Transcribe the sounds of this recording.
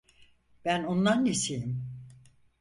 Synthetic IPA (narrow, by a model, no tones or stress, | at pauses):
b̥ænond̪anːesejim